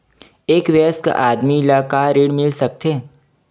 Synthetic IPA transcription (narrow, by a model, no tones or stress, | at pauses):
eːkʋəska̰ʔaːd̪miɪlaːkaɾeːɽmɪlsɐk̚t̪eː